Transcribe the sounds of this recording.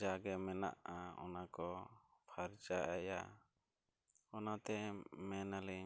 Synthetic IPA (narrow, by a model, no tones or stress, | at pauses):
aɡɛmɛna̰ʔaɔ̰nakɔpʰaɾt͡ʃaʔaja | ɔnat̪ɛmɛnalɛ